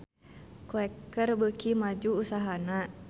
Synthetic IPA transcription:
koɛkərbəkimad͡ʒuːsaɦana

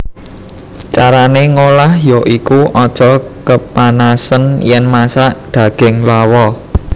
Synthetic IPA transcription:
t͡ʃaɾaneŋolahjoʔikuʔɔd̥ʒ̥ɔ̤kəpanasənjɛnmasaʔd̪̥ä̤ɡ̥ɪŋlawɔ

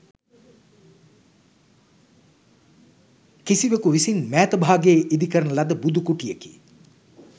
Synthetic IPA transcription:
kisiʋekuʋisinmæːt̪əbʱaːɡeːʔid̪ikəɾənəlad̪əbud̪ukuʈijekḭː

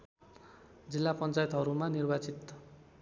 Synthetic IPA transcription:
d͡zilːapʌnt͡sajet̪ɦʌɾumanirbat͡sit̪

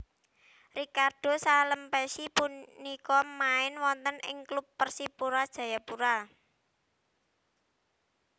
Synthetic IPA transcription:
rikard̥o̤saləmpɛsipunikɔmaɪnwɔnt̪ənɪ̰ŋklupːərsipuɾad̥ʒ̥ä̤japuɾa

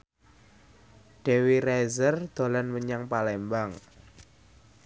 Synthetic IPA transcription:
ɖ̥ɛ̤wirɛzərd̪̥o̤lanməɲaŋpalɛmbaŋ

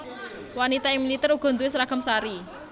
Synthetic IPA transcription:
wanit̪aɪŋmilit̪ɛɾuɡ̥ɔ̤nd̪uesɾaɡ̥ə̤msaɾi

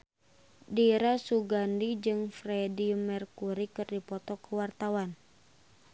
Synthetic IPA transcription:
diɾasuɡandid͡ʒɨŋfɾɛdimɛrkuɾikɨrdipɔt̪ɔkəwart̪awan

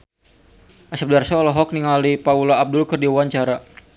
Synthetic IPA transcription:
ʔasap̚darsaɔlɔɦɔk̚niŋalipaulaːb̚dʊlkɨrdiuwaɲt͡ʃaɾa

